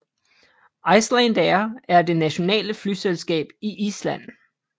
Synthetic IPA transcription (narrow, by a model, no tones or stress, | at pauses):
ɑ̈ɪslænd̥æɐæɐd̥e̝næɕo̝nɛ̰ːləflyselsɡ̥ɛ̰ːb̥iʔislæn̰